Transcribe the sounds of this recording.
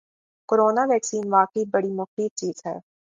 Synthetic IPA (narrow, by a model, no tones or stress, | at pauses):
koːɾoːnaʋɛːksiːnʋaːkəibɐɽimʊxiːt͡ʃiːz̥ɦɛ̰ː